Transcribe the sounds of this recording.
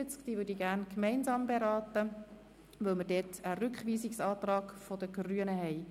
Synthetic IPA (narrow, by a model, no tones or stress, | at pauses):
ɪt͡skd̥iːʋʏːdiɡæːɾnkmɛɪnzɑːmbeɾɑːt̪ə | ʋɛlməɾdɛːtəɾʏkχʋiːsiksɑːt̪rɑːɡfod̥əɡryənəɦɛɪ